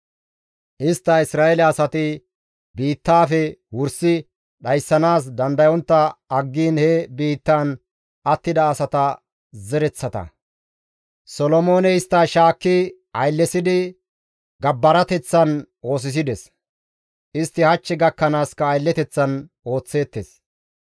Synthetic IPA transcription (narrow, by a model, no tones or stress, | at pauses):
ʔɪst̪ːɐɪsɾaːɛlɐɐsɐt̪ɪ | biːt̪ːaːfɛwʊɾsɪ | ɗɐjsːɐnaːs̬d̪ɐnd̪ɐjɔnt̪ːɐɐɡːiːnhɛbiːt̪ːaːn | ɐt̪ːɪd̪ɐːsɐt̪ɐ | zɛɾɛt͡sːɐt̪ɐ̰ | sɔlɔmo̞ːnɛɪst̪ːɐʃaːkːɪ | ɐjlːɛsɪd̪ɪ | ɡɐbːɐɾɐt̪ɛt͡sːɐn | o̞ːs̬ɪs̬ɪd̪ɛs | ʔɪst̪ːɪhɐt͡ʃːɛɡɐkːɐnaːskːɐːjlːɛt̪ɛt͡sːɐn | o̞ːt͡sːe̞ːt̪ːes